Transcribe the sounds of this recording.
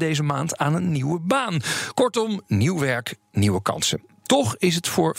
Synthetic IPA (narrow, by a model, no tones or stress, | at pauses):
dejzəmaːntaːnənːiwəbaːnkɔɹtɔmniwʋɛɹk | niwəkɑ̰nsə̰ | tɔχɪs̬ətfʊːɹ